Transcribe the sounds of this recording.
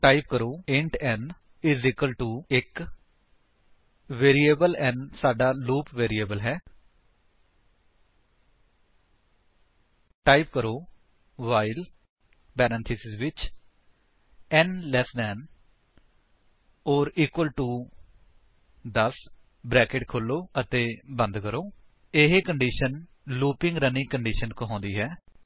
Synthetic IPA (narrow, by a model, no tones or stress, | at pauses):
ʈaːɪp̚kəɾoːẽɳʈɛ̃ːn | ɪziːkəlʈuːɪk | ʋeːɾiːeːbəlɛ̃ːnsaːɖaːluːpʋeːɾieːbəlɦɛː | ʈaːɪpkəɾoː | ʋaːɪl | bɛːɾãːnt̪ʰɪsɪzʋɪt͡ʃ | ɛnlɛsd̪ɛːn | ɔːɾiːkwəlʈuː | d̪əs | bɾɛːkeʈkʰʊlːoːət̪eːbə̃nd̪kəɾoː | eɦeːkəɳɖiːʃən | luːpɪ̃ŋɡɾəniːkəɳɖiːʃənkɦɔ̃ːnd̪iːɦɛː